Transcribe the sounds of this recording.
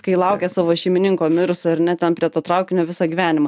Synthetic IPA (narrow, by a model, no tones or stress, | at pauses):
kɐɪlˠɐʊkʲeːsɑːʋoːʃʲɛɪmʲɪnʲɪŋkoːmʲɪɾʊsoɐɾnʲɛt̪ʲɛnpʲɾʲiɛt̪oːt̪ɾɑʊkʲɪnʲoːʋʲɪsɑɡʲiːʋʲæːnʲɪmɐ